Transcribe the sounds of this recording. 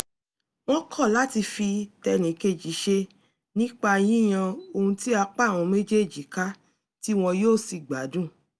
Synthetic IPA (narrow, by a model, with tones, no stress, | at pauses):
w̃ɔ̃˦kʰɔ˦˨la˨˦ti˧fi˧tɛ˧nĩ˨˦ke˧d͡ʒi˨˦ʃe˧ | nĩ˦k͡pa˦˧j̃ĩ˦j̃ã˧o˧hũ˧ti˦a˧k͡pa˦˨w̃ɔ̃˧me˦d͡ʒe˦˨d͡ʒi˨ka˦ | ti˦w̃ɔ̃˧joː˦˨si˧˨ɡ͡ba˨˦dũ˦˨